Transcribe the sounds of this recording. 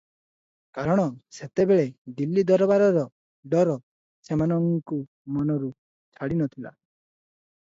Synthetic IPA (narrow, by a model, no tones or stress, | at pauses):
kaɾɔɽ̃ɔset̪ebeɭed̪ilːid̪ɔɾɔbaɾɔɾɔ | ɖɔɾɔ | semanɔŋku | mɔnɔɾu | t͡ʃʰaɽinɔt̪ʰila̰